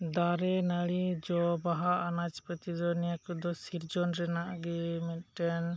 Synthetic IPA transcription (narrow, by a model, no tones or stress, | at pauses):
d̪aɾɛnaɭid͡ʒɔbaɦaːnat͡ʃpət̪id͡ʒɔnɛjakɔd̪ɔsiɾd͡ʒɔnɾɛnaʔɡɛmɛt̪̚ʈɛn